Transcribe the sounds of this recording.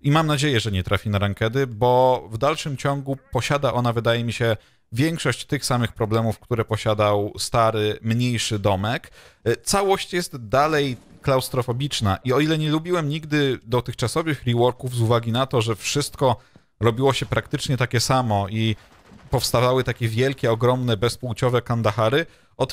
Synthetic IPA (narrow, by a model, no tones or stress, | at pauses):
imamnad͡ʑejɛʐɛɲɛt̪ɾʔafʲinaɾaŋkɛd̪ɘbɔvd̪alʂɘmt͡ɕɔŋɡupɔɕad̪aʔɔnavɘd̪ajɛmʲiɕɛ | vʲjɛŋkʂɔɕt͡ɕt̪ɘxsamɘxpɾɔblɛmufkt̪uɾɛpɔɕad̪awst̪aɾɘmɲejʂɘd̪ɔmɛkt̪sawɔɕt͡ɕjɛst̪d̪alɛj | klawst̪ɾɔfɔbʲit͡ʂnaʔiɔilɛɲɛlubʲiwɛmɲiɡd̪ɘd̪ɔt̪ɘxt͡ʂasɔvɘxɾʲiwɔɾkuvzuvaɡʲinat̪ɔʐɛfʂɘst̪̚kɔ | ɾɔbʲiwɔɕɛpɾakt̪ɘt͡ʂɲɛt̪akʲɛsamɔʔi | pɔfst̪avawɘt̪akʲɛvʲjɛlkʲɛɔɡɾɔmnɛbɛspuwt͡ɕɔvɛkand̪axaɾɘ | ɔt̪